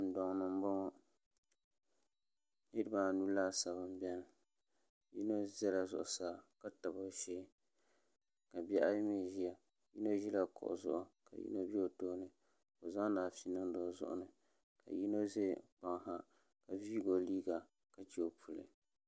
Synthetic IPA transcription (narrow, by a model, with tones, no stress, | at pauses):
n̩˨dɔ˨ŋnɨ˨m˦bɔ˦ŋɔ˦ | ni˦ɾba˨nuː˦laː˦sa˨βɨ˦m˦bɛ˦nɨ˨ | ji˦no˦zɛ˦la˨zʊ̰˨ʔʊ˨saː˦ka˦ta˨bo˦ʃeː˦ | ka˨bɛ˦ʔa˦jmi˦˨ʒi˦a˨ | jḭ˦no˦ʒi˦la˨kʊ̰˨ʔʊ̰˨zʊ̰˦ʔʊ˦ka̰˨jḭ˦no˦bi˦o˨toː˦nɨ˨ | o˨za˦daː˨fi˦nɨ˦n˦dɔː˨˦zʊ̰˦˨ʔʊ̰˦nɨ˨ | ka̰˨ji˦no˦ze˦k͡pa˨ŋ˦ɦa˦ | ka˨vi˦ɡo˨liː˦ɡa˨ | ka˨t͡ʃi˨o˨pʰu˨lɨ̰˨